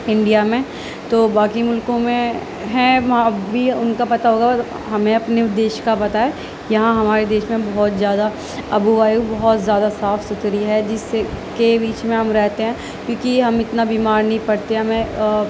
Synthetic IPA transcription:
ɪ̃ɳɖijamẽ | t̪oːbaːkimʊlkõmẽ | ɦɛ̃ɐɦãbʱiʊnkapɐt̪aɦoːɡa | ɦɐmẽɐpneʊd̪ːeːʃkapɐt̪aɦɛ | jɐɦãɦɐmaːɾed̪eːʃmẽbɐɦɔt̪zjaːd̪a | ɐbuʋaːjubɐɦɔt̪zjaːd̪asaːfsʊt̪ɾiɦɛd͡ʒɪskebiːt͡ʃmẽɦɐmɾɛɦt̪eɦɛ̃ː | kjõːkiɦɐmɪt̪nabiːmaːɾnɐɦĩpɐɽt̪eɦɛmẽ

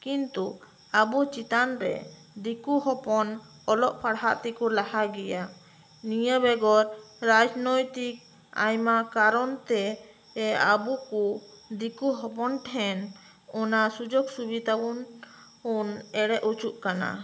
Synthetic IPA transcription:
kint̪u | abut͡ʃit̪anɾɛ̰ | d̪ikuɦɔpɔn | ɔlɔʔpʰaɽɦaʔt̪ikulahaɡɛja | nijabɛɡɔɾɾad͡ʒnɔjt̪ik̚ | a̰jmakaɾɔnt̪ɛ | ɛabukud̪ikuɦɔpɔnʈʰɛn | ɔnasud͡ʒoɡsubid̪abun | unɛɽɛʔut͡ʃuʔkana̰

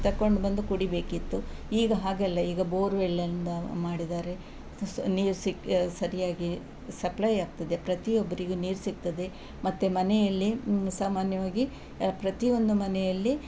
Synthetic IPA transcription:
t̪ɐkːo̞ɳɖbɐnd̪ukuɽibe̞ːkit̪ːuiːɡɐɦaːɡɛlːɐiːɡɐboːɾʋeɭːɐind̪ɐmaːɽid̪aːɾe̞ | niːɾsiksɐɾijaːɡi | sɐplɐjaːɡ̚t̪ɐd̪e̞pɾɐt̪iobːɐɾiɡuːniːɾsik̚t̪ɐd̪e̞ | mɐt̪ːumɐnɛjɐlːisaːmaːnjɐʋaːɡi | pɾɐt̪io̞nd̪umɐnɛjɐlːi

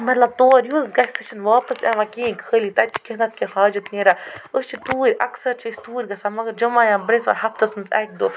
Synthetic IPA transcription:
mɐt̪lɐb̚t̪oːɾjuzɡɐseʃɐnʋaːpɐsa̰ʋakĩːkʰəːlit̪ɐt͡ʃʰi̥kʲeɦnɐt̪̚kehaːd͡ʒɐt̪neːɾaəst͡ʃʰit̪uːɾʲɐ̰ksɐɾt͡ʃist̪uːɾʲɡɐsamɐɡɐɾd͡ʒɐmaːjãːbɾensʋɐ̰ɾɦɐft̪ɐsmɨnzɛ̰k̚d̪oː

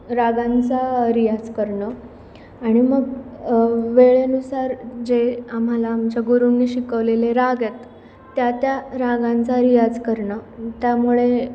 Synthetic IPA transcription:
ɾaɡãnt͡saɾijad͡zkəɾɳə | aɽ̃iməɡ | ʋeɭenusaɾd͡zeam̤alaːmd͡ʑaɡuɾunːiːɕikəʋleleɾaɡjet̪ː | jat̪jaɾaɡãnt͡saɾijad͡zkəɾɳət̪jamuɭe

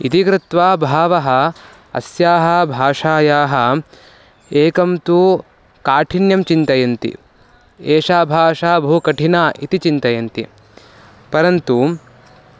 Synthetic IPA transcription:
it̪ikɾɪt̪ʋaːbʱaːʋɐɦɐ̆ | ɐ̰sjaːɦɐ̆bʱaːʂaːjaːɦɐ̆ | eːkɐmt̪u | kaːʈʰinjɐmt͡ʃint̪ɐjɐnt̪ḭ | eːʂaːbʱaːʂaːbʱukɐʈʰinaːʔit̪it͡ʃint̪ɐjɐnt̪ḭ | pɐɾɐnt̪u

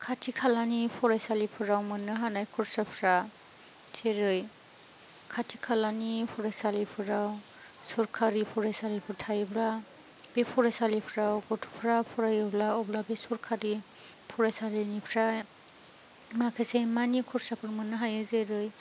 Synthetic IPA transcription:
kʰatʰikʰalanipʰɔɾajsalipʰɯɾawmɯnːɯɦanajkʰuɾsapʰɾa | z̥eɾɯj | kʰatʰikʰalanipʰɔɾajsalipʰɯɾaw | suɾkʰaɾipʰɔɾajsaɾipʰɯɾtʰajbla | b̥epʰɔɾajsalipʰɾawɡɔtʰu̥pʰɾapʰɔɾajɯblaɔblabesuɾkʰaɾi | pʰɔɾajsaɾinipʰɾaj | makʰesemanikʰuɾsapʰɯɾmɯnːɯɦajɯzeɾɯj

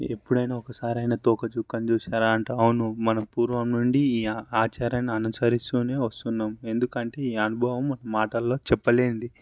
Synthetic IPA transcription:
epːuɽɐjnaːɔkɐsaːɾɐjnɐt̪oːkɐt͡ʃukːɐnt͡ʃuːsaːɾaːɐɳʈɐɐwunumɐnɐpuːɾʋɐmnuɳɖiiːaːt͡ʃaːɾɐnɐnɐsɐɾist̪uːne̞ːʋɐst̪unːaːme̞nd̪ukɐɳʈe̞ːiːɐnubʱɐʋɐmːɐnɐmaːʈɐlːo̞ːt͡ʃɛpːɐle̞ːund̪i

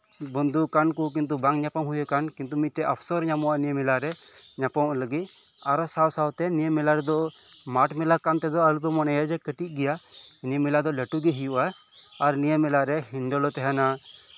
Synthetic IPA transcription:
bɔnd̪ukankuk̬int̪̬ubaŋɲapamɦujakankint̪umit̪̚ʈɛʔapʰsɔɾɲamɔwaʔnijəmɛlaɾɛ | ɲapawʔləɡit̪̚ | aɾɔsawsawt̪ɛnijəmɛlaɾɛd̪ɔ | maʈmɛlakant̪ɛd̪ɔalup̬ɛmɔnɛjad͡ʒɛkəʈit̪̚ˀɡɛjainimɛlad̪ɔlɛʈuɡɛɦijuʔaː | ɾnijəmɛlaɾɛɦinɖɔlɔt̪ɛɦana

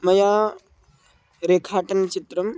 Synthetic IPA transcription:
mɐjaː | ɾeːkʰaːʈɐnt͡ʃit̪ɾɐm

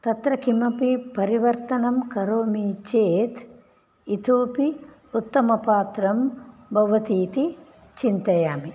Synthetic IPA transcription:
t̪ɐt̪ɾɐkʰimɐpipɐɾiʋɐɾt̪ɐnɐmkɐɾoːmit͡ʃeːt̪ | it̪oːpi | ut̪ːɐmɐpaːt̪ɾɐmbʱɐʋɐt̪iːt̪i | t͡ʃint̪ɐjaːmi

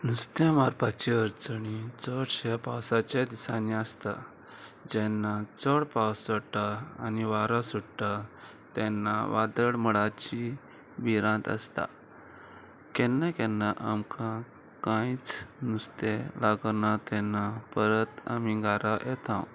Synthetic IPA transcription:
nust̪emaɾpat͡ɕiəɾt͡səɳit͡sɔɽɕɛpawsat͡ɕed̪isaniəst̪a̰ | d͡ʑɛnːat͡sɔɽpawsəʈaa̰niʋaɾasuɽʈ̪a | t̪ɛ̃nːaʋad̪əɽməɭat͡ɕi | biɾãt̪ə̰st̪a̰ | kɛnːakɛnːaʔamkʰã | kãit͡snust̪ɛlaɡnat̪ɛ̃nːapəɾət̪a̰miɡaɾajɛt̪ã

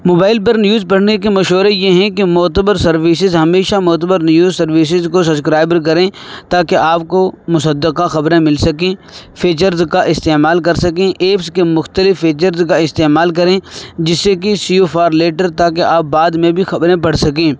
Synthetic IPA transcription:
moːbaːɪlp̬ɐɾnjuːzpɐɽ̤nek̬emɐʃɦoːɾejeɦɛ̃kemɔːt̪əbəɾsɐɾʋiːsɪzɦɐmeːʃamɔːt̪̬əbəɾnjuːzsɐɾʋiːs̬ɪzkos̬ɐbskɾaːɪbɾk̬ɐɾẽt̪aːkeʔaːp̚komʊsəd̪ːəqaxɐbɾẽmɪlsɐkẽːfʰiːt͡ʃəɾzkaʔɪst̪eːmaːlk̬ɐɾsɐkẽʔeːpskemʊxt̪əlɪfːiːt͡ʃəɾzkaɪst̪eːmaːlk̬ɐɾẽːd͡ʒɪsːekesiofʰaːɾleːʈəɾt̪aːkeʔaːp̚bːaːd̪mẽbʱixɐbɾẽpɐɽ̤sɐkẽː

